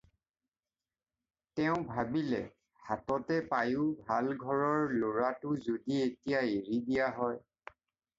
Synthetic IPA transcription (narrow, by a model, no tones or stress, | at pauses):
tɛʊ̃bʱabilɛ̰ | hatɔtɛpajʊbʱalɡʱɔɹɔɹloɹatʊzodietijaeɹidijaɦɔj